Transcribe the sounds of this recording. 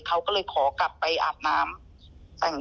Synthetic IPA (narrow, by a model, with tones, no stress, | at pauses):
kʰa˦˥wkɔː˥˩lɤː˧jkʰɔː˩˦kla˨˩pːa˧jʔa̰ː˨˩t̪̚naː˦˥m | t̪ɛː˨˩ŋ